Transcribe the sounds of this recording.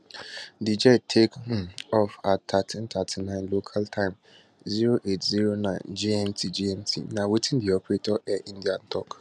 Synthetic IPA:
did͡ʒɛtʰekhũɔfatʰatʰĩntʰatʰinãɪ̃nlokʰaltʰãɪ̃m | ziɾoʔetziɾonãɪ̃nd͡ʒiɛ̃ntʰid͡ʒiɛ̃ntʰḭnãwitʰĩndiɔpɾetʰɔʔɛʔĩndian̩tʰɔk

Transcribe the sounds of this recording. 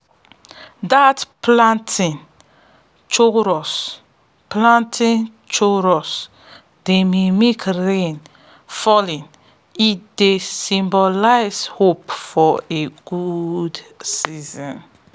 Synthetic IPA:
datplãntʰĩn | t͡ʃoɾɔs | plãntʰĩn | t͡ʃoɹɔs | d̥ememekɾẽn | fɔlĩn | itdesĩmbɔlaɪshopfɔeɡ̥udsizɔ̃n

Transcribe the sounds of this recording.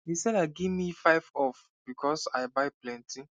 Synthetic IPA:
hisɛdaɪɡivmifaɪvɔf | b̥ikʰɔsaɪbajplɛ̃ntʰi

